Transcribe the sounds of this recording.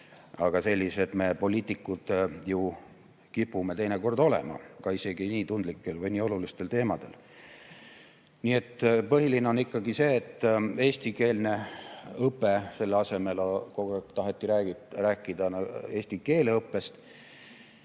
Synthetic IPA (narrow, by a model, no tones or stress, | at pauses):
ɑɡ̥ɑse̞lʲːise̞d̪me̞po̞lʲiːt̪ːˑikːˑud̪̥ju | kipːˑume̞t̪e̞jneko̞rd̪̥o̞lḛmɑ̰kɑise̞ɡ̥iniːt̪und̪likːˑe̞lvɤjniːo̞lulist̪e̞lt̪e̞ːmɑd̪̥e̞̰l | niːe̞t̪ːpɤɦilineo̞nikːɑɡise̞ːt̪ːe̞ːst̪ike̞ːlne̞ɤpːˑe̞se̞lːeɑse̞me̞lkot̪ɑɦet̪ːˑiɾæːɡiræːkːˑid̪̥ɑne̞ːsʲt̪ike̞ːleɤpːˑe̞st̪